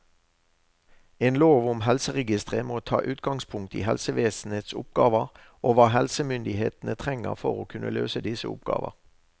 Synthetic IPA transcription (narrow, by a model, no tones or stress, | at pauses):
eːnloːʋʊmɦɛlsəʁɛɡɪst̪ʁəmoːt̪ʰɑ̰ːʔʉːt̪ɡɑŋspʰʊŋk̚t̪ḭːhɛlsəʋeːsn̩heːt̪sʊ̰p̚ɡɑːʋəʁ | ʔoːʋɑːɦɛlsəmʏnd̪ɪhḛːt̪n̩ət̪ʰʁɛŋə̰ʁfɔʁoːkʰʉnʔəløːsəd̪ɪsəʊ̰pɡ̥ɑ̰ːʋəʁ